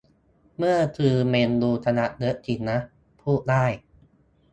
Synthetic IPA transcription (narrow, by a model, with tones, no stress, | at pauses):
mɯ˥˩ɐt̪ʰɯː˧meː˧nduː˧t̪ʰa˧na˦˥ʔnɯ˦˥ʔt̪ʰi˧˩nːa˦˥ʔ | pʰuː˥˩t̪̚daː˥˩j